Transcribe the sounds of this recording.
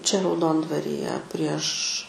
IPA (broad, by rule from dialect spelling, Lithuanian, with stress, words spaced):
t͡ʃʲɛ rɐʊˈdoːndʋɐrʲɪjɛ pʲrʲiɛʃ